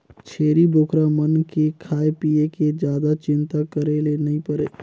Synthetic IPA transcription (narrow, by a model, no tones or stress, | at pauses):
t͡ʃʰeːɾiboːkʰɾamənkekʰaːepieked͡ʒjaːd̪at͡ʃɪnt̪akəɾelenəɦĩpəɾeː